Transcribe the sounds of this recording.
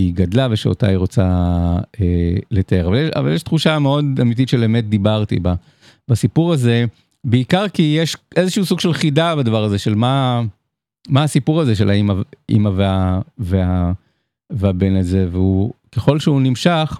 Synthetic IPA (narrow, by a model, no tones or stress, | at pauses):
iɡadlaveʃeo̰ta̰iʁot͡sa | eletaeʁavaljeʃa̰va̰ljeʃt̪χuʃameo̞damit̬itʃeleːmet̚d̪ibaʁt̪ḭba | basipuʁaze̞ | beikaʁkijeʃʔe̞zeʃuusuɡʃelχidabadavaʁaze̞ʃe̞lma | maːsipuʁaze̞ʃ̬elaimaʔḭmaveavea | veabe̞naze̞veukeχo̞lʃeunimʃaχ